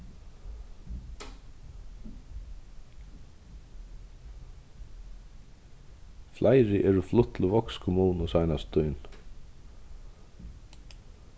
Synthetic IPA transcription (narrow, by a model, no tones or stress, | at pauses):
flajɾɪʔɛɹʊflʊht̪ʰlʊvɔkskʰʊmuːnʊsajnast̪ujn